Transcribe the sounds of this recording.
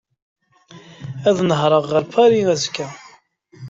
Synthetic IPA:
æðnəɦɾˤəʁːəɾpæɾiæzkːæ

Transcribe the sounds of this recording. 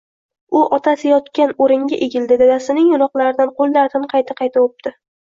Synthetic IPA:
ʊʔɒt̪ʰasɪjɒt̪kʲanoɾɪŋɡʲaʔeɡʲɪld̪ɪd̪ad̪asɪnɪŋjʊɾɒqlˠaɾɪd̪anqʰolˠnaɾt̪ʰɪnqʰɑjt̪ʰaqʰɑjt̪ʰaop̚d̪̥ɪ

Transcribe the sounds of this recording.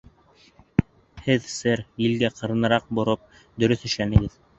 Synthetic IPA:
hɘðsɘɾjĭlɡæqʰɤ̆ɾɤ̆nɤ̆ɾɑq̚bŏɾɤp̚ | d̪ɵ̆ɾɵθɵ̆ʃlænɘ̆ɡɘð

